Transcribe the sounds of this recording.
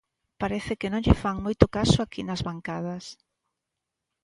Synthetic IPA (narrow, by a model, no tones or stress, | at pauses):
paɾɛθɪkɪnõŋʎɪfaŋmojt̪ʊkasʊakinɐzβaŋkað̞ɐs